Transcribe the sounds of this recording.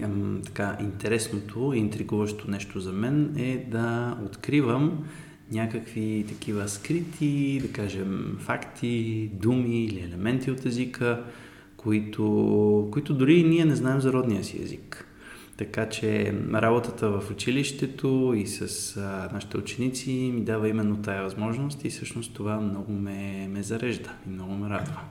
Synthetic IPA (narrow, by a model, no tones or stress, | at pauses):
t̪ɐ̥kaʔint̪ɛɾɛsnot̪ʰoint̪ɾiɡuvəʃt̪onɛʃt̪ozɐmɛnɛd̪ɐot̪kɾivəm | nʲakəkvit̪ɐk̟ivəskɾit̪ʰid̪ɐkaʒɛmfakt̪ʰid̪umiːliɛlɛmɛnt̪iot̪ɛzikʰə | koit̪ʰokoit̪ʊd̪ʊɾiniɛnɛznaɛmzɐɾɔd̪nijəsiɛ̰zḭk | t̪ɐkat͡ʃɛɾʔabot̪ət̪əvəfʊt͡ʃiliʃt̪ɛt̪oisɐsnaʃi̥t̪ɛut͡ʃɛnit̪simid̪avəimɛnːot̪ajəvɐzmɔʒnost̪isɤʃnost̪t̪ovamnɔɡomɛmɛzɐɾɛʒd̪əimnɔɡʊmɛɾad̪və